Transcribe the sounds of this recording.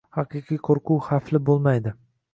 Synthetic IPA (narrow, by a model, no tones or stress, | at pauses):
hɑqɨqʰɨjqʰoɾqʰuwχaflɪbolˠmajd̪ɪ